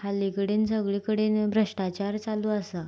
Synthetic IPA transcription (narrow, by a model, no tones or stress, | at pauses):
kʰalːikəɽiːnsəɡɭiːkəɽiːnbɾəʂʈat͡ɕaɾt͡saluːəsa